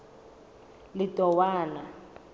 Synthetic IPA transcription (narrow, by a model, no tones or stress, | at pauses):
lɪtʼɔwaːna